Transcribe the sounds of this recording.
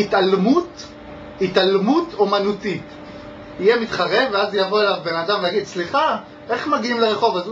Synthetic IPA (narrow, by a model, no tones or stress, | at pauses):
it̪almut | italmutomanutit | ijemit̪χaʁe̞veazjavo̞elavbenadamvejaɡid̪sliχa | e̞χmaɡiimleʁeχo̞vaz